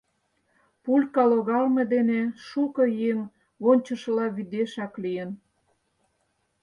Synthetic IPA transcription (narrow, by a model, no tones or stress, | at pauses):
pulʲkɑloɣɑlmed̪eneʃukɤjeŋ | βonʲt͡ɕə̆ʃə̆lɑβid̪eʃɑklijən